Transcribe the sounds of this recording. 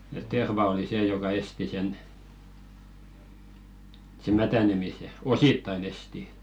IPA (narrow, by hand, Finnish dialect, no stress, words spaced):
et terʋɑ oli seː jokɑ esti sen se mætænemise ositːɑin esti